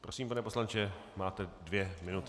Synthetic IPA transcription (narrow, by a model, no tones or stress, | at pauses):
pɾo̞siːmpanɛpo̞slant͡ʃɛ | maːt̪ɛdvjɛmɪnut̪